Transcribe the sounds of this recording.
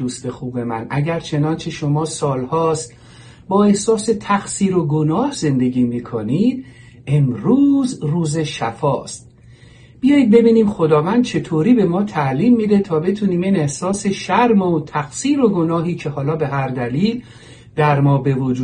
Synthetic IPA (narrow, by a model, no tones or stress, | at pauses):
uːst̪e̞xuːbe̞mæ̰nʔæɟæɾt͡ʃʰe̞nɒːnt͡ʃʰe̞ʃo̞mɒːsɒːlhɒːst̪ | bɒːe̞hsɒːse̞t̪ʰæxsiːɾo̞ɡonɒːhz̥e̞nd̪e̞ɟiːmikʰoniːd̪̥ | e̞mɾuːzruːze̞ʃæ̰fɒːst̪ | b̥ijɒːjid̪̚be̞biːniːmxo̞d̪ɒːvænd̪̚t͡ʃʰe̞t̪ʰoːɾiːbe̞mɒːt̪ʰæʔliːmːid̪et̪ʰɒːbe̞t̪ʰuːniːmiːne̞hsɒːse̞ʃæɾmot̪ʰæxsiːɾo̞ɡo̞nɒːɦiːcʰe̞ɦɒːlɒːbe̞ɦæɾd̪æliːl | d̪̥æɾmɒːbe̞vod͡ʒuː